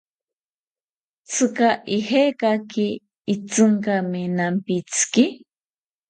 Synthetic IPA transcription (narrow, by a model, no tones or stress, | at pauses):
t͡sʰɨkaʔihekakiː | t͡sɨŋkaminampit͡sʰɨ̥ki